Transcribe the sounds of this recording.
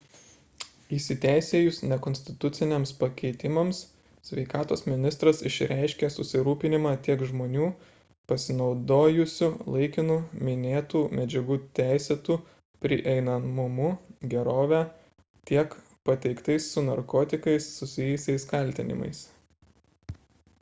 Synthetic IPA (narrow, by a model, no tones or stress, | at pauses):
ɪsʲɪt̪ʲæɪsʲeːjʊsnʲɛkɔnʲsʲt̪ʲɪt̪ʊt̪sʲɪnʲeːmspɐkʲɛɪt̪ʲɪmɐms | sʲʋʲɛɪkɑːt̪oːsmʲɪnʲɪst̪ɾɐsɪ̰ʃʲɾʲʔæˑɪʃʲkʲeːsʊsʲɪɾuːpʲɪnʲɪmɑːt̪ʲiɛkʒmoːnʲuː | pɐsʲɪnɒʊd̪oːjʊsʲʊlˠɐɪkʲɪnʊmʲɪnʲeːt̪uːmʲɛd͡ʒʲɛɡuːt̪ʲæˑɪsʲɛt̪uː | pʲɾʲɪʔɛɪnɐmʊmʊɡʲɛɾoːʋʲæ | t̪ʲiɛk | pɐt̪ʲɛɪkt̪ɐɪsːʊnɐɾkoːt̪ʲɪkɐɪsːʊsʲɪjɪsʲɛɪskɐlʲt̪ʲɪ̰nʲɪ̰mɐ̰ɪs